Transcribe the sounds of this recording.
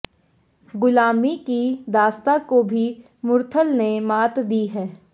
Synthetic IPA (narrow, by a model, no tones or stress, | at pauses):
ɡʊlaːmikid̪aːst̪akobʱi | mʊɾt̪ʰəlnemaːt̪d̪iɦɛː